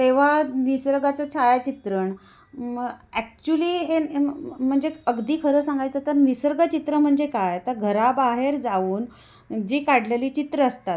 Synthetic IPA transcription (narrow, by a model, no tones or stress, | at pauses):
t̪eʋ̤anisɾəɡat͡sət͡ɕʰajt͡ɕit̪ɾəɳ | ɛk̚t͡ɕuliːɦem̤əɳd͡zeəɡd̪iːkʰəɾəːsãŋɡajt͡sət̪əɾnisɾəɡət͡ɕit̪ɾəm̤əɳd͡zekajt̪əɾɡʱəɾabaɦeɾd͡zauːn | d͡ʑiːkaɽleliːt͡ɕit̪ɾəːst̪at̪